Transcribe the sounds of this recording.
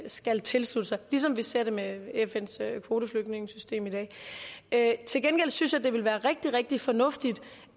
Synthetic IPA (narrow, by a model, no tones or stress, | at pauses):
sɡ̥ælt͡sʰe̝lslud̥əsɑ̈ɪlis̬ɒ̽mʋise̝ɐ̰ɾ̥e̝meefen̰søkʰʋo̝ːd̥əfløɡ̥ne̝ŋəsysd̥e̝̰ːmid̥ɛ̰ːøt͡sʰe̝lɡ̥enɡ̥el̰synsjɑ̈d̥e̝ʋelʋæːɐʁɛɡ̥̚d̥iʁɛɡ̥̚d̥ifɒ̽nɔ̽fd̥id̥